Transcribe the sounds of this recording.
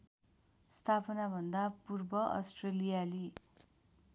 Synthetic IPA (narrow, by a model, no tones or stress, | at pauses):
st̪ʰapʌnabʱʌnd̪apurbʌʔʌ̰sʈrelijali